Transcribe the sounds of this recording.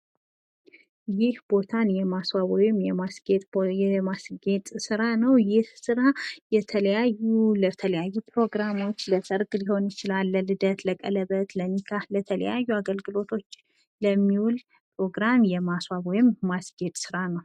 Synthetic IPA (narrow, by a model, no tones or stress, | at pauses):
jɪhbo̞t̪ʰanjɛmaswaβojɪmjɛmasɡet̪ʼjɛmasɡet̪ʼsɨɾanəwjɪhsɨɾajɛt̪ʰələjajːulət̪ʰələjajːupɾo̞ɡɾamo̞t͡ʃːləsəɾɡʼliho̞njɪt͡ʃɪlalːəlɨd̪ət̪ləkʼələβət̪lənikʰalət̪ʰələ̰jajːuaɡəlɡɨlo̞t̪ʰo̞t͡ʃː | ləmːiwul | pɾo̞ɡɾamjɛmaswaβojɪmːasɡ̥et̪ʼsɨɾanəw